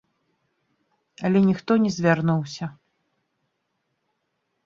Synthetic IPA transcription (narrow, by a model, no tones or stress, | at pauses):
ɐlʲɛnʲixt̪ɔnʲɛzʲvʲarnuwsʲɐ